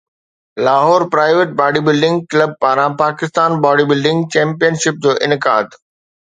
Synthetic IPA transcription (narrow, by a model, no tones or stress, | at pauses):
laːɦɔːɾpɾaːɪʋeʈ̚baːɖiːbɪlɖɪ̃ŋɡ̚kləb̚paːɾãpaːkɪst̪aːnbaːɽiːbɪlɖɪ̃ŋɡt͡ɕɛ̃ːmpijənʃɪp̚d͡ʑoːʔɪnɪka̰ːd̪